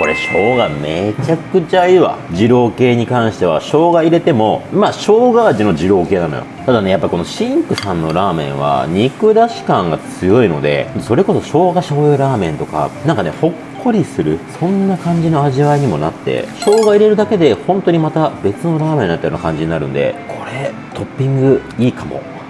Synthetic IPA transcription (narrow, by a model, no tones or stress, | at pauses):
ko̞ɾe̞̰ɕo̞ːɡame̞t͡ɕakɯ̟t͡ɕaiβa̰d͡ʑiɾo̞ːke̞ːɲ̟ikãɰ̃ɕi̥t̪e̞β̞a̰ɕo̞ːɡaiɾe̞t̪e̞mo̞maːɕo̞ːɡaːʑino̞d͡ʑiɾo̞ːke̞ːnano̰jo̰t̪ad̪ane̞japːaiko̞noɕĩŋkɯ̟sãnːo̞̰ɾaːmẽ̞̰ɰ̃βa̰ɲ̟ikɯ̟d̪aɕi̥kãŋɡat͡sɨjo̞ino̞̰d̪ẽ̞̰t̪oso̞ɾe̞ko̞so̞ɕo̞ːɡaɕo̞ːjɯɾaːmẽ̞nt̪o̞ka̰nãŋkane̞̰ho̞kʰːo̞ɾʲisɨɾɯ̟sõ̞nːakãɲ̟d͡ʑino̞aʑiβaiɲ̟imo̞na̰t̪ːe̞̰ɕo̞ːɡaiɾe̞ɾɯ̟d̪ake̞d̪e̞hõ̞nt̪o̞ɲ̟imat̪abe̞t͡sɨno̞ɾaːmẽ̞nːat̪ːjona̰kãɲ̟d͡ʑiɲinaɾɯ̟̰̃nd̪e̞̰kʰo̞ɾe̞ | t̪ʰo̞pʲːĩŋɡɯ̟iːkamo̞̰